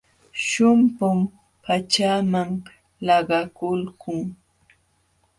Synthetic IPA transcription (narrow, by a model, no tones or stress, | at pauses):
ʃʊmpʊm | pat͡ʃamaŋ | lɑɢɑkʊlkʊŋ